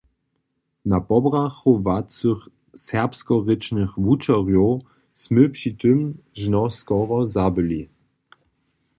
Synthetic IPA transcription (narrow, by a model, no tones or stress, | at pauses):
napɔbʁaxovat͡sux | sɛʁpskɔʁɪt͡ʃnɘxvut͡ʃɔʁjo | smɘpʂit̪əm | ʒnɔskɔʁɔzabɘli